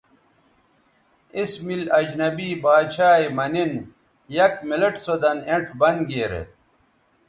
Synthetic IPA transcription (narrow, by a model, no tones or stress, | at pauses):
ismilɐd͡ʑnɐbiːbaːd̪ɕaːimɐnin | jɐkmilɐʈsod̪ɐneʈʰbɐnɡeːɾḛ